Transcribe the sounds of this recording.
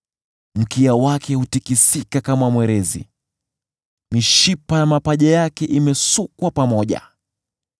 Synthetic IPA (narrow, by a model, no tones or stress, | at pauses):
m̩kiawakɛhutikisikakamamwɛɾɛzḭ | miʃipajamapaʄajakɛʔimɛsukwapamɔʄa̰